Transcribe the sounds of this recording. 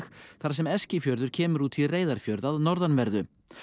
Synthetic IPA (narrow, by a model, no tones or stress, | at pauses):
xθaɾ̥sɛmɛscɪfjœɾðʏɾ̥cʰɛːmʏɾuːt̪ʰireːjðaɾ̥fjœɾðaðnɔɾðanvɛɾðʏ